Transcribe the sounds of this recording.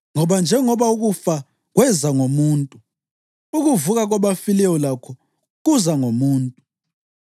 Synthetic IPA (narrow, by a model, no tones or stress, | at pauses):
ŋɔɓand͡ʒʱɛŋɔɓauɣufa | ɣwɛzaŋomuːntʼu | uɣuvuɣaɣ̬waɓafilɛwɔlakʰɔ | ɣ̬uzaŋomuːntʼu